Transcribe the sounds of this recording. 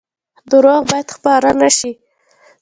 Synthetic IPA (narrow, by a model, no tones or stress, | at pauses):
d̪ʊɾɑɣbɑjad̪xpɑɾanaʃi